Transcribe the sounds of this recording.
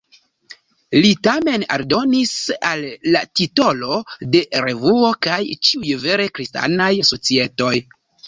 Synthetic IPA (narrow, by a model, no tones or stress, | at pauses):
litame̞na̰ɾdo̞nisalːatito̞lo̞de̞ɾe̞vuo̞kajt͡ʃiujve̞ɾe̞kɾista̰najso̞t͡sie̞to̞j